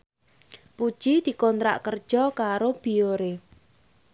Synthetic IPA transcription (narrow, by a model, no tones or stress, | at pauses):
pud̥ʒ̥id̪̥i̤kɔnt̪ɾa̰ʔkərd̥ʒ̥ɔkaɾob̥i̤joɾe